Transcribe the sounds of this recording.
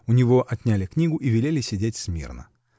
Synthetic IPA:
ʊnʲɪvo̞ʔɐt̪ʲnʲælʲɪknʲiɡʊʔivʲɪlʲelʲɪsʲɪdʲetʲsmʲḭrnə̰

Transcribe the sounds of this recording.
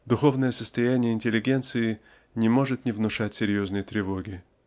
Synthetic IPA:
d̪ʊxo̞vnəjəsəst̪ɐjænʲɪjəɪnʲtʲɪlʲɪɡʲe̞nt̪sɨɪ | nʲɪmo̞ʐɨt̪nʲɪvnʊʂatʲsʲɪɾʲjo̞znɨjət̪ɾʲɪvo̞ɡʲɪ

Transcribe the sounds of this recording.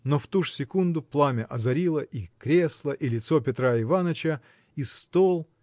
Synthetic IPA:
noft̪uʐsʲɪkund̪ʊplˠamʲəʔɐzɐɾʲilˠəʔikɾʲe̞slˠəʔilʲɪt̪so̞pʲɪt̪ɾaɪvanət͡ɕə | ist̪olˠ

